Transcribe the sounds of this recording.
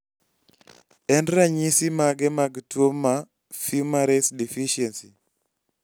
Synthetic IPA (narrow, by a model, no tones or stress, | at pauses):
ɛndɾaɲisimaɡɛmaɡtwomːa | fimaɾɛsdifiʃiɛnsi